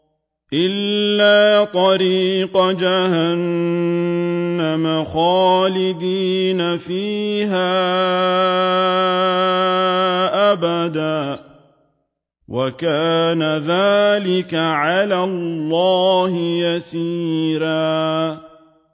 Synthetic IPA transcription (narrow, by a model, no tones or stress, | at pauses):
ʔɪlːaːt̪ˤɑɾiːqd͡ʒahan | amaxɑːlɪd̪iːnafiːɦaː | ʔabad̪aː | wʔakaːnaðaːlɪkaʕalalːɑːhɪjasiːɾaː